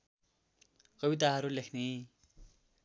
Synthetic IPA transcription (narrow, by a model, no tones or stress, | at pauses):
kʌbit̪̬aɦʌɾulekʰne